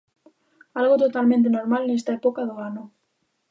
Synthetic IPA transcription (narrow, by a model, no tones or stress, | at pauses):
alɣot̪ot̪almẽnt̪̬enoɾmalnest̪aepokaðoano